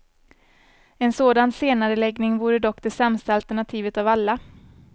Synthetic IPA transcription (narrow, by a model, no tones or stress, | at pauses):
ɛnsoːd̪anseːnaɾəlɛɡnɪŋvuːɾəd̪ɔkːd̪ɛsɛmst̪aalt̪æɳat̪ʰiːvət̪avalːa